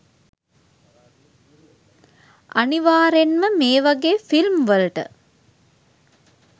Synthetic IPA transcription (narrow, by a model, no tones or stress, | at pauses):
aniʋaːɾenməmeːʋaɡeːfilmʋələʈə̰